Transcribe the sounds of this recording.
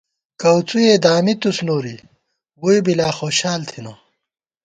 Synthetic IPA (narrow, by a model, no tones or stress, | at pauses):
kɐwt͡sujeːd̪aːmit̪usnoːɾi | wuibilaːxoːɕaːlt̪ʰinɐ